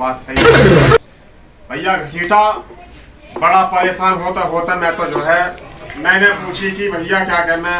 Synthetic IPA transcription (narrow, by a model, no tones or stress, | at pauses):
aːt̪səi | bʱəɪjaɡʱəsiːʈa | bəɽapəɾeːʃaːnɦoːt̪eɦoːt̪emɛ̃ːt̪od͡ʒoːɦɛnɛ̃ːnɛ̃puːt͡ʃʰikibʱəɪjakjaːkɛmɛ̃